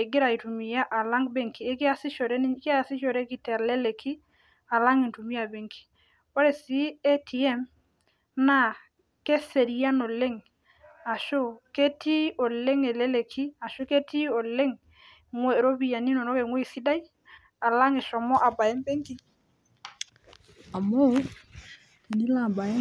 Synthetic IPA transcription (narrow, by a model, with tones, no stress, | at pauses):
e˨ɡɪ˦ɾa˨i˨tu˨mi˨ja˦ʔa˨la˦ŋbe˦ŋki˨e˦kɪ˦a˦˨sɪ˦ʃɔ˨ɾɛ˦n˦kɪ˦a˦˨sɪ˦ʃɔ˨ɾɛ˦ki˨tɛ˨lɛ˦le˨kʰi˦ | a˨la˦ŋi˨ntu˨mi˦a˨be˨ŋkʰi̥˨ | o˦ɾɛ˨si˦ɛ˦tʰi˨ɛ˦m | na˦˨ | ke˦se˨ɾi˨ja˦no˨le˦ŋ | a˨ʃo˦ke˦ti˦ɔ˨le˦ŋe˨lɛ˦le˨kʰi˦a˨ʃo˦ke˦ti˦o˨le˦ŋ | ŋwe˦˨ɾo˦bi˨ja˨ni˦nɔ˨nɔ˦ke˨ŋwe˦i˨si˦da˦i˦ | a˨la˦ŋe˨ʃɔ˨mɔ˦ʔa˨ba˨jɛ˦mpe˦ŋki˦ | a˨mo˦˨ | ni˦la˦˨ba˨ɛ˦